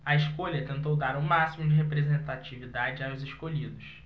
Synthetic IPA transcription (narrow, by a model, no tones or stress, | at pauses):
ɐiʃkoʎɐt̪ẽnt̪owd̪aɾʊ̃masimʊd͡ʒɪɦepɾezẽnt̪at͡ʃivid̪ad͡ʒɪaʊzɪʃkoʎid̪ʊs